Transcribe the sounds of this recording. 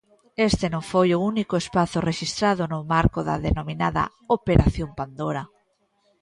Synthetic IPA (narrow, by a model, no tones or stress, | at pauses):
est̪enõŋfojʊunikʊespaθʊreʃist̪ɾaðʊnʊmaɾkʊðɐ̰ðenominaðɐ̰ | opeɾʔaθjompand̪oɾa